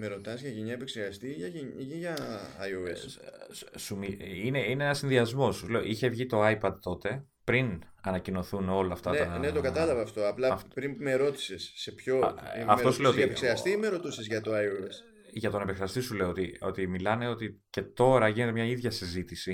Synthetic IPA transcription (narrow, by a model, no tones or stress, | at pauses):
meɾo̞t̪ɐsʝɐʝeɲɐepekseɣɐst̪iʝɐʝeiʝɐɐoes | sumiine̞ineenɐsinðiɐzmo̞suleo̰ʔiçe̞vʝit̪o̞ɐjpɐd̪̚t̪o̞t̪e̞ | pɾin | ɐnɐcino̞θuno̞lɐːft̪ɐtnɐnet̪okɐt̪ɐlɐvɐːft̪o̞ɐplɐftpɾimpumeɾo̞t̪i̥sesːe̞pço̞iɐfeto̞suleot̪ieepekseɾɣɐst̪imeɾo̞t̪usezʝɐt̪o̞ɐjoes | ʝɐt̪o̞nepeksɾeɐst̪isule̞oot̪io̞̰t̪imilɐne̞o̞t̪ice̞t̪o̞ɾɐʝinet̪e̞mɲɐiðʝɐsizit̪isi